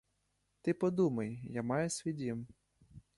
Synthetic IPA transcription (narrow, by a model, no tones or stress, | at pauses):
t̪ɪpɔd̪umɐjjamɑjʊsʲʋʲidʲim